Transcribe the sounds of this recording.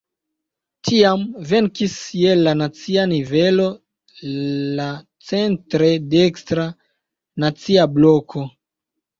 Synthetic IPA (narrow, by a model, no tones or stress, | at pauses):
tʰiamve̞ŋkisjelanat͡sianivelo̞ | la | t͡se̞ntɾe̞dekstɾa | nat͡siablokʰo̞